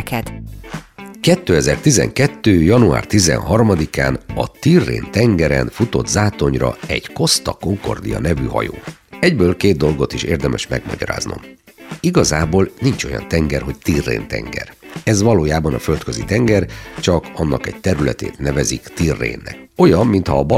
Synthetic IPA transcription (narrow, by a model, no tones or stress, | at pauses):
kɛd̪ | kɛt̪ːøːɛzɛrt̪izɛ̰ŋkɛt̪ːøːjɒnua̰ːrt̪izɛ̰nɦɒrmɒd̪ikaːnɒt̪irːḛːnt̪ɛŋɡɛɾɛnfut̪o̞d̪zaːt̪o̞ɲrɒɛɟko̞st̪ɒko̞ŋko̞̰rd̪ijɒ̰nɛvyɦɒ̰jo̰ː | ɛɟbøːlkeːd̪̚d̪o̞lɡo̞t̪iʃḛːrd̪ɛmɛʃmɛɡmɔ̰ɟɒɾa̰ːzno̰m | iɡɒzaːboːlnint͡ʃo̞jɒ̰nt̪ɛŋɡɛrɦo̞ct̪irːḛːnt̪ɛ̰ŋɡɛ̰rɛzʋɒloːjaːbɒnɒfølt̪̚køzit̪ɛŋɡɛrt͡ʃɒkɒnːɒkɛɟ̚t̪ɛɾylɛt̪ḛːt̪nɛvɛzikt̪irːḛːnːɛ̰ko̞jɒmːint̪hɒːb